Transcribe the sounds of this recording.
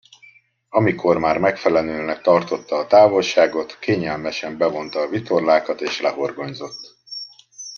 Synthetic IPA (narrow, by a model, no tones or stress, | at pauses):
ɒmikʰo̞rmaːrmɛkfɛlɛløːnɛk̚t̪ɒrt̪o̞t̪ːɒːt̪aːvo̞lʃaːɡo̞t̪keːɲɛlmɛʃɛmbɛvo̞nt̪ɒːvit̪o̞rlaːkɒt̪eːʃlɛɦo̞rɡo̞ɲzo̞t̪ː